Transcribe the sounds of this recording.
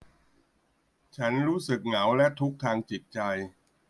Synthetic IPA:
t͡ɕʰa˦˥nɾuː˦˥sɯ˨˩k̚ŋa˩˦wlɛ˦˥t̪ʰu˦˥k̚t̪ʰaː˧ŋt͡ɕi˨˩t̪̚t͡ɕa˧j

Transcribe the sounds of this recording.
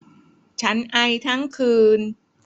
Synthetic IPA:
t͡ɕʰa˦˥nʔa˧jt̪ʰa˦˥˩ŋkʰɯː˧n

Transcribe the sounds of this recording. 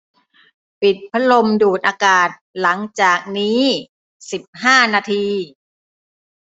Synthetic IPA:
pi˨˩t̪̚pʰa˦˥lo˧mduː˨˩t̪̚ʔaː˧kaː˨˩t̪̚la˩˦ŋt͡ɕaː˨˩k̚niː˦˥ | si˨˩p̚haː˥˩naː˧t̪ʰiː˧

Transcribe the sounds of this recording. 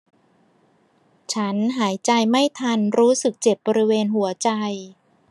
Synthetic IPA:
t͡ɕʰa˦˥nɦaː˩˦jt͡ɕa˧jma˥˩jt̪ʰa˧nɾuː˦˥sɯ˨˩k̚t͡ɕe˨˩p̚bɔː˧ɾi˦˥weː˧nɦu˩˦ɐt͡ɕa˧j

